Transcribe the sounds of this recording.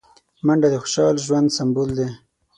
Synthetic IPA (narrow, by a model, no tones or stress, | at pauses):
maɳɖad̪əxʊ̥ʃɑlʒwand̪sambuld̪e